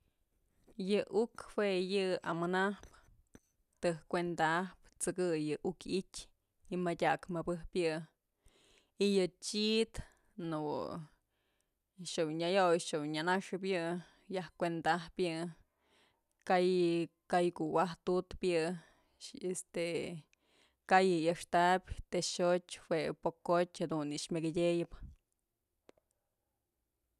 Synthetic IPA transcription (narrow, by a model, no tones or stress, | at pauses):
jɨʔukhwejɨa̰mɨnahp | t̪ɨhkʷend̪ahpt͡sɨkɨjɨʔukitʲ | imadʲakmɨbɨhpjɨ | ijɨt͡ʃit̪ | nṵ | ʃɨwɲajojʃɨwɲanaʂɨp̬jɨ | jahkʷend̪ahpjɨ | kajkajkuwaht̪ut̪pjɨ | est̪e | kajɨjɨʂt̪apʲt̪eʃotʲwepokːotʲhad̪uniʂmʲaɡɨdʲejɨp